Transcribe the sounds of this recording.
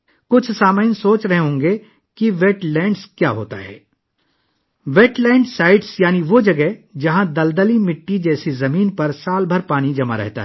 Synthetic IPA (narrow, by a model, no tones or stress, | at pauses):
kʊt͡ʃʰsaːmaɪnsoːt͡ʃɾɐɦeɦõːŋɡe | kiʋeːʈlɛ̃ːɳɖskjaːɦo̰ːt̪a̰ɦɛ̰ː | ʋeːʈlɛ̃ːɳɖsaːɪɖsjaːniʋod͡ʒɐɡɛɦd͡ʒɐɦãd̪ɐld̪əlimɪʈːid͡ʒɛːsizɐmiːnpɐɾsaːlbʱɐɾpaːñid͡ʒɐma̰ɾɛ̰ɦt̪a̰ɦɛː